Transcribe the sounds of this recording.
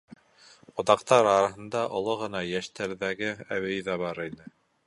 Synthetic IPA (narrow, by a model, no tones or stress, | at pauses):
ŏðɑqt̪ɑɾɑɾɑɦɤ̆nd̪ɑʔŏlˠoʁɤ̆nɑjæʃt̪æɾðæɡɘæwɘ̆jðɑβɑɾinɘ